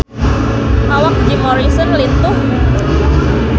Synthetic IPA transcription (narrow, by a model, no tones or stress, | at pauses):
ʔawak̚d͡ʒimɔɾisɔnlint̪ʊh